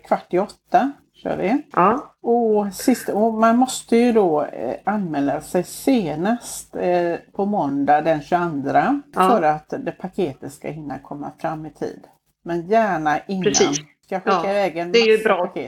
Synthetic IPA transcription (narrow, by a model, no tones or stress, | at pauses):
kʰvaʈːɪɔt̪ːa | ɕœ̰ːʋɪ̰ | ɔsɪst̪ɔmanmɔst̪əjɵd̪ɔːanːmɛːlːasɛjseːnast̪pʰɔmɔnd̪ad̪ɛnɕɵand̪ɾafœɾat̪d̪ɛpʰakʰeːt̪ət̪ska̰ɦɪnːa̰kʰɔmːa̰fɾamːɪt̪ʰḭːd̪ | mɛnjæːɳaʔɪnɾːn | skaɧɪkːaɪvɛːɡənmjbɾːakʰḛː